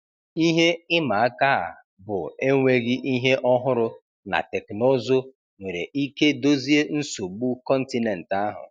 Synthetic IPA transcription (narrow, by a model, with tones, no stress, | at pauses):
i˦ɦe˦ɪ˦ma˨a˦ka˦a̰˨ | bʊ˨e˦ŋʷe˦ɣɪ˦ʔi˦ɦe˦ʔɔ˦ɦʊ˦ɾʊ˦ | na̰˨te˨kno˦zo˦ | ŋʷe˨ɾe˨ʔi˦ke˦do˦zi˦e˦n̩˦so˨ɡ͡bu˦kɔ˦n̩˦ti˦ne˨n̩˨ta˦ɦʊ̰˨